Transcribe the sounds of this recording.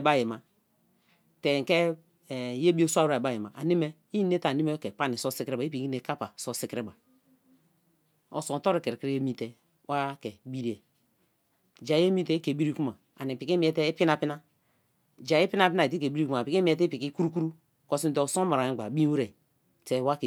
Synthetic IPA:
ba˦˨je˨ma˨ | te˨ke˦˨ | je˦bi˦e˦sʷa˦u˦ɾa˨ba˦˨ji˨ma˨ʔa̰˨ne˦me˦ | i˦n˦e˦ta˨ni˦me˦ke˨k͡pa˦ni˨so˦si˦kɾe˦ba˨i˦pi˨ki˦e˨ka˦pa˨so˦si˦kɾe˦ba˨ | o̰˨so˨n˨to˦ɾe˦˨ke˨ɾkɾe˦e˦mi˦te˦ | wa˦ke˨bi˦ɾi˦e˨ | d͡ʒa˨˦e˦mi˦te˦i˦ke˨bi˦ɾi˦ku˦ma˨ | a̰˨ni˨pi˨ki˦mi˨˦e˦te˦i˦pi˦na˦pi˦na˦ | d͡ʒa˨ji˦pi˦na˦pi˦na˦˨i˨ti˦ke˨bi˦ɾi˦ku˦ma˨pi˨ki˦m˦e˦te˦pi˨ki˦ku˦ɾu˦ku˦ɾu˦ | ko˨si˦n˦to˨so˦ma˨ɾa˨i˦a˨bi˦u˦ɾe˨ | te˨wa˦ke˨

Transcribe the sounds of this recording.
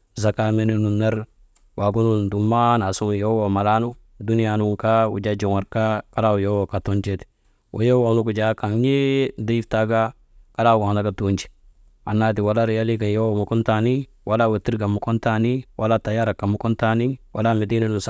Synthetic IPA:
za˨ka˦me˦ni˦nu˨nːa˦ɾ | wa˨ɡu˦nu˦ndu˨ma˦na˨su˦jo˦wo˨ma˨la˦nu˦ | du˦ni˦ja˨nu˦ŋka˦wṵ˨d͡ʒa˦d͡ʒi˨ŋa˨ɾka˦ka˦la˦wu˨jo˦wo˨ka˨to˦nd͡ʒe˦t | wʔo̰˨jo˦wa˨˦nu˦ku˨d͡ʒa˨˦ka˨ŋɲe˦de˦i˦fta˦ɡa˦ | ka˦la˦˨ɡa˨a˨na˨˦ɡa˨tond͡ʒi̥˨ | a˨nːa˦di˨wa˨la˦ɾja˦li˦ɡa˨jo˦wo˨mu˨ko˦nta˦ni˦ | wʔa˦la˦we˨ti˦ɾɡa˨mu˨ko˦nta˦ni˦wʔa˦la˦ta˨ja˦ɾa˨kːa˨mu˨ko˦nta˦ni˦wʔa̰˦la˦me˨di˦ne˦lu˨s

